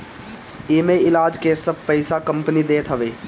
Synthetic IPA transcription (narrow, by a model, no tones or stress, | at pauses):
ɪːmeɪlaːd͡ʒkesɐb̚pɐɪsakɐ̃mpənid̪eːt̪ɦɐʋeː